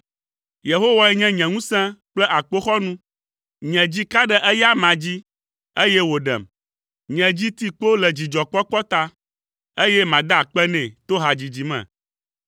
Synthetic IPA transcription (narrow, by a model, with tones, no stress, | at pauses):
je˨ɦo˦wa˦ɛ˦ɲɛ̃˦ɲɛ̃˨ŋũ˦sɛ̃˦k͡plɛ˦ʔa˨k͡po˦xɔ˦nũ˦ | ɲɛ̃˨d͡ʑi˦ka˦ɖɛ˦ʔɛ˦ja˦mã˨d͡ʑi˦ | e˦jɛ˦wo˨ɖɛ̰˨m | ɲɛ̃˨d͡ʑi˦t̪i˦k͡po˦lɛ˨d͡ʑi˨d͡ʒɔ˨k͡pɔ˦k͡pɔ˦t̪a˦ | e˦jɛ˦mã˨d̪a˦a˨k͡pɛ˦nɛ̃˨t̪o˦ɦa˨d͡ʑi˨d͡ʑi˨mɛ̰̃˨